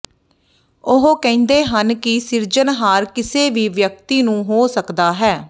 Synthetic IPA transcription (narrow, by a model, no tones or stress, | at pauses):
ʊɦokɛ̃ːnd̪eːɦənkɪsɪɾd͡ʒənɦaːɾkɪseːʋiːʋjək̚t̪iːnũːɦoːsəkd̪aːɦɛː